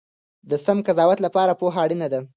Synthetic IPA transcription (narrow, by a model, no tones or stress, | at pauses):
d̪əsamkazɑwat̪lapɑɾapoɦaːɽinad̪a